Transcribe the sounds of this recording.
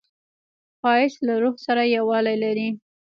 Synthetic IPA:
fɑɪslaɾoɣsaɾajawɑlajlaɾi

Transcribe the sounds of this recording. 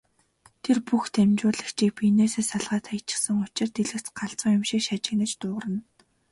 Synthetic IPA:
t̪ʰerpuxt̪ʰemt͡ɕʊːɮə̆xt͡ɕʰiːkpʰineːseːsaɮʁaːt̪ʰajʰt͡ɕɪ̥̆sə̆ŋʊt͡ɕɪ̆rt̪eɮɘ̆kt͡sɢaɬt͡sə̆ŋjʊmʃiːkʃat͡ɕɪ̆ɣnə̆t͡ɕt̪ʊːʁə̆rə̆n

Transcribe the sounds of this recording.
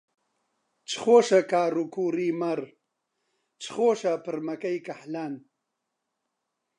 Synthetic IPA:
t͡ʃχoːʂɐkaːɾukuːɾiːmɐɾ | t͡ʃχoːʃapɨɾmɐkɐjkɐħlan

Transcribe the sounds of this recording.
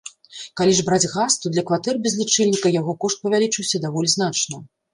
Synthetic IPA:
kalʲiʐbɾad͡zʲɣast̪ud̪lʲɐkvat̪ɛrbʲɛzʲlʲit͡ʂɛlʲnʲikɐjaɣɔkɔʂt̪̚pɐvʲalʲit͡ʂɨwsʲɐd̪avɔlʲiznat͡ʂnɐ

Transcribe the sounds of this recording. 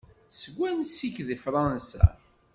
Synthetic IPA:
səɡʷːænsiçðifɾˤɑnsæ̰

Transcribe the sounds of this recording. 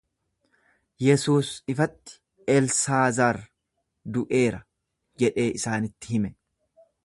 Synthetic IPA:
jɛsuːsɪfɐt̪ːɪ̥ | ʔɛlsaːzaɾ | d̪ʊʔe̞ːɾɐ | d͡ʒɛᶑe̞ːʔɪsaːnɪt̪ːɪ̥hɪmɛ

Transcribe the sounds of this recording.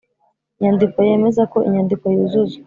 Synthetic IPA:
iɲandiko̞je̞me̞zako̞ʔḭɲandiko̞jizuzu

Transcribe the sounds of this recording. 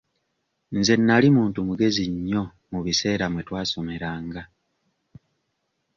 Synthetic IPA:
nze̞nːalimuːntumuɡe̞ziɲːo̞ | muβise̞ːɾamwe̞twaːso̞me̞ɾaːŋɡa

